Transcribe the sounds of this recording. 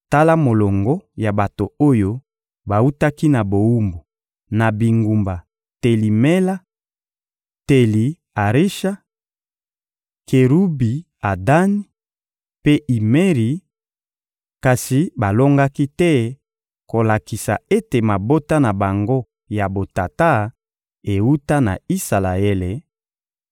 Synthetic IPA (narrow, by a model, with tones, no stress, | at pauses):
ta˦la˦mo˨lo˨ŋɡɔ˦ja˨ba˨to˨o˦jo˦ | ba˨u˦ta˦ki˦na˨bo˨u˦mbo˨ | na˨bi˨ŋɡu˨mba˨ | te˨li˨me˦la˦ | te˨li˨ | a˨ʁi˦ʃa˦ | ke˨ɾu˦bi˨ | a˨da˦ni˦ | pe˦ʔi˨me˦ʁi˨ | ka˨si˨ba˨lo˦ŋɡa˦ki˦tɛ˦ | ko˨la˨ki˨sa˨e˦te˨ma˨bo˦ta˦na˨ba˨ŋɡo˦ | ja˨bo˨ta˨ta˦ | e˨wu˦ta˦na̰˨i˦sa˨la˨e˦le˨